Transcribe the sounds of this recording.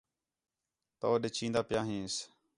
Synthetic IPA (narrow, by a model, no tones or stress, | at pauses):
t̪oːɗet͡ʃʰĩːnd̪aːpjãːɦĩːs